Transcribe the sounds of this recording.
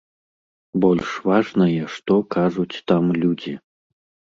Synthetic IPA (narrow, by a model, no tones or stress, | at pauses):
bɔlʲʂvaʐnɐjɛʂt̪ɔkaʐut͡sʲt̪amlʲud͡zʲi